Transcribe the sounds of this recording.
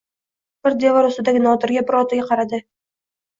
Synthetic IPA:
b̥ɪɾd̪e̞vɒɾʊst̪ɪd̪aɡʲɪnɒt̪ɪɾɡʲabɪɾɒt̪ɪɡʲaqʰɑɾad̪ɪ

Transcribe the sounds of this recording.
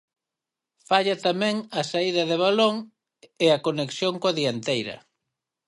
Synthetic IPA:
faʎɐt̪amɛ̃ŋɐsaiðɐðeβ̞aloŋ | eakoneksjoŋkoaðiant̪ejɾɐ̰

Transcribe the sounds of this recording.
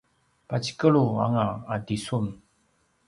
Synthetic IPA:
pat͡ɕi̥kəɭua̰ŋaadisun

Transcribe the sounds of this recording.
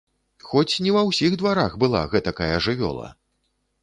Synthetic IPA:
xɔt͡sʲnʲɛvɐwsʲiɣd̪vaɾaxbɨlˠa̰ɣɛt̪ɐkajɐʐɨvʲɔ̰lˠɐ̰

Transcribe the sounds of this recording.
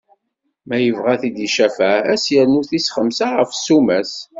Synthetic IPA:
mæjəvʁæθid̪iʃæfææsjæɾnuθisχəmsaʁəfsumæs

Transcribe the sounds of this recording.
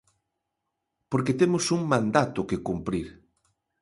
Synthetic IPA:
poɾket̪emʊsuŋmãnd̪at̪ʊkekumpɾiɾ

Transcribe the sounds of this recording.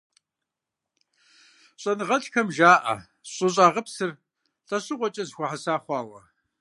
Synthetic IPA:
ɕʼɐnɨʁɐɬxʰɐmʒaːʔɐ̰ | ɕʼʊɕ̬ʼaːʁəpsɨr | ɬʼɐɕʼɨqʷɔt͡ʃʼɐzxʷaħasaːχʷɑːwɐ̰

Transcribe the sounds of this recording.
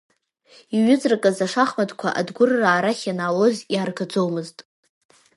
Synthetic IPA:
iɥʏd͡zrakʼazaʂaχmadkʷʰaʔa̰dɡʷʊrːaːɾaχʲanalozjaːrɡad͡zowmɨztʼ

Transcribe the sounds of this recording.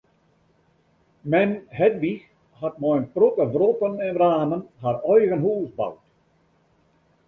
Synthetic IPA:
mɛnhɛdʋix | hatmɔjnprotəvrɔtənɛnraːmənharɔjɣənɦuːsba̰wt

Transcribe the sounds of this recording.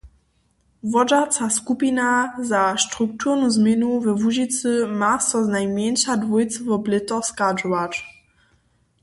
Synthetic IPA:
vɔd͡ʒat͡saskupinazaʃtʁuk̚t̪ʰuʁnuzmjɪnuvɛvuʒit͡sɨmasɔznajmjɛnʃadvujt͡svɔblɪt̪ɔxskad͡ʒɔvat͡ʃ

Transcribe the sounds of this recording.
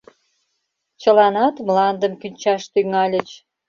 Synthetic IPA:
t͡ɕəlɑnɑt̪mlɑnd̪əmkynʲt͡ɕɑʃt̪yŋɑlʲə̆t͡ɕ

